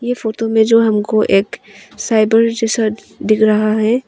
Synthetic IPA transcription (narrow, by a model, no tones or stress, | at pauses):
jefoːʈomẽd͡ʒoːɦɐmkoʔeːksaːɪbəɾd͡ʒɛːsa | ɖɪkʰɾɐɦaɦɛː